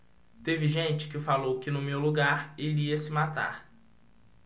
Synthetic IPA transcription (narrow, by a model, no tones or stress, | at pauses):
t̪evɪʒẽnt͡ʃɪ̥kɪfalowkɪnʊmewluɡaɾeliɐsɪmat̪a̰ɾ